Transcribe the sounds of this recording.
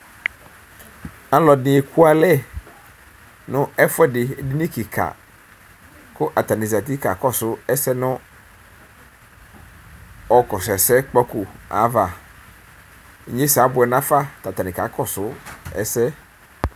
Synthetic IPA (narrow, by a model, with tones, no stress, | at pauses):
a˦lɔ˨nɪ̃˨e˨kʰu˦a˨lɛ˦˨ | nʊ̃˦ɛ˦fʊ˦ɛ˦dɪ˨˦di˦nĩ˦ki˨kʰa̰˨ | kʊ˦ʔa˨t̪a˨nĩ˨za˨t̪i˦ka˨kɔ˦sʊ˦ɛ˦sɛ˦nʊ̃˦ | ɔ˨kɔ˨sɛ˨sɛ˦k͡pɔ˦ku˨a̰˨˦va˨˦ | ɲẽ˦sa˨˦bʊ˨ɛ˨nã˦fa˦t̪a˨t̪a˨nɪ̃˨ka˨˦kɔ˦˨sʊ˨˦ɛ̰˦sɛ˦